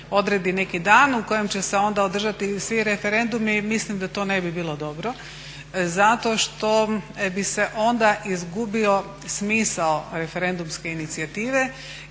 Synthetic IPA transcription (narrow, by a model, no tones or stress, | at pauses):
o̞d̪ɾed̪ine̞kid̪aːnuko̞je̞mt͡ɕe̞se̞o̞nd̪aod̪r̩ʒat̪isʋiɾe̞feɾe̞nd̪umimislimd̪at̪o̞ːne̞bibiːlˠo̞d̪o̞bɾo̞ | zat̪o̞ʃt̪o̞bise̞ʔo̞nd̪aʔizɡubio̞ | smiːsaoɾe̞fe̞ɾe̞nd̪umske̞init̪siat̪iːʋe̞